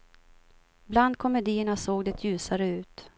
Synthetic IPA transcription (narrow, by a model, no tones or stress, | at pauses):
bland̪̚kʰɔmɛd̪iːəɳasoːɡd̪ɛt̪ʰjʉ̟ːsaɾəʉ̟ːt̪